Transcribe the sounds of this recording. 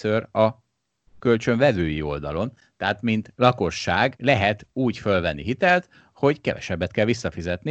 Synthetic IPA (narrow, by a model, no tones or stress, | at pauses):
øɾɒ | kølt͡ʃø̞ɱvɛvøːjio̞̰ld̪ɒlo̞n | t̪ɛɦaːt̪mint̪lɒko̞ʃːaːɡlɛɦɛt̪uːcfø̞lvɛnːḭɦit̪ɛlt̪ | ho̞ɟkɛvɛ̰ʃɛbːɛt̪kɛlʋisːɒfizɛt̪ni